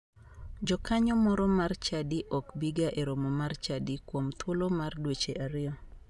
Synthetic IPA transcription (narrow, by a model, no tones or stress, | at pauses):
d͡ʒɔkaɲɔmɔɾɔmart͡ʃadiʔɔkbiɡaʔeɾomomart͡ʃadikwomt̪ʰwolomardwet͡ʃeʔaɾɪjɔ